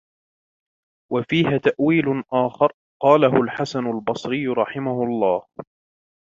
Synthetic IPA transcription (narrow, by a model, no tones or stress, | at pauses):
wafiːɦat̪aʔwiːlʊʔaːxɑɾˤ | qɑːlaɦʊlħasanʊlbɑsˤɾɪjːʊɾˤɑħɪmahʊɑlˤːɑːh